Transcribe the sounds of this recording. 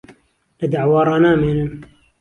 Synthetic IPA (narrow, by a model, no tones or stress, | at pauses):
lɐd̪aʕwɑːɾˤɑːnaːmeːnɨm